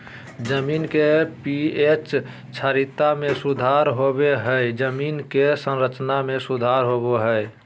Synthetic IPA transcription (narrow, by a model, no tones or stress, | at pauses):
d͡ʒəminkepiet͡ʃ | t͡ʃʰaɾit̪ːamẽsud̪ʱaɾɦobeɦəed͡ʒəminkesə̃nɾət͡ʃnamẽsud̪ʱaɾɦoboɦəe